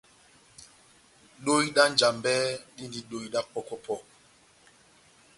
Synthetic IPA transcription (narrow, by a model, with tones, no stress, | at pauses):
ɗo˦jɗa˦nd͡ʒa˨mbɛ˦ɗi˦ndi˦ɗo˨jɗa˦k͡pɔ˦kɔ˦pɔ˦